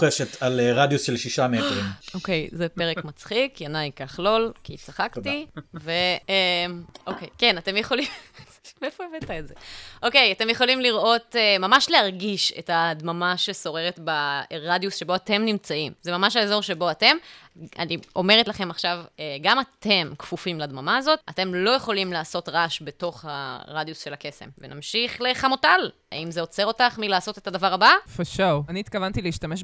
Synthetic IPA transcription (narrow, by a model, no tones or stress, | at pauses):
eʃetaleʁad̪jusʃelʃiʃametʁioke̞jzepeʁekmat͡sχikianajkaχlo̞lkit͡saχaktive̞mʔokejke̞nate̞mjeχo̞lim | meefoevetaezeʔoke̞jate̞mjeχo̞limliʁʔo̞temamaʃlehaʁɡiʃe̞̰tadmamaʃe̞so̞ʁe̞ʁetbaʁadjusʃe̞bo̞ate̞mnimt͡saimzemamaʃaezo̞ʁʃe̞bo̞ate̞ma̰nio̞me̞ʁ̞etlaχe̞maχʃaveɡamate̞mkfufimladmamaːzo̞tate̞mlo̞jeχo̞limlaːso̞tʁaʃbeto̞χha̰ʁadjusʃe̞lake̞se̞̰mvena̰mʃiχle̞χamotal | a̰imzeo̞t͡se̞ʁo̞taχmilaːso̞te̞tadavaʁabafaʃawaniːt̪̚kavantileiʃtameʃ